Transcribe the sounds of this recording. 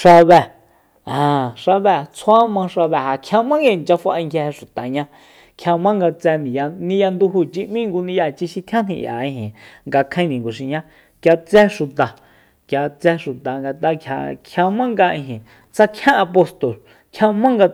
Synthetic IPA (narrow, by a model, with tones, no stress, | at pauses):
ʂa˧βɛ˧˨ | ã˨ʂa˧βɛ˧˨t͡sʰwa˦mã˧ʂa˧βɛ˧˨ha˨kʰjã˧mã˦ŋɡnt͡ʃa˧fa˧ʔa˧ŋkja˧he˧ʃu˨t̪a˨ɲã˧ | kʰa˧mã˦ŋɡa˧t͡sɛ˧nĩ˨ja˧nĩ˧ja˧nd̪u˧ɦu˧˨t͡ʃi˧mĩ˦ŋɡu˧nĩ˧ja˧t͡ʃi˧ʃi˧t̪ʰã˦n̥ḭ̃˧ʔja̰˨ĩ˧ɦĩ˨ŋɡa˧kʰẽ˧˦˧nĩ˨ŋɡo˨ʃ̬i˧ɲã˦ | kja˧t͡sɛ˦ʃu˨t̪a˨ | kja˧t͡sɛ˧ʃu˨t̪a˨ŋɡa˧t̪a˧kʰʲja̰˧kʰja˧mã˦ŋɡa˧ʔĩ˧ɦĩ˨ | t͡sa˧kʰjã˦a˧po˧st̪o˨l | kʰja˧mã˦ŋɡa˧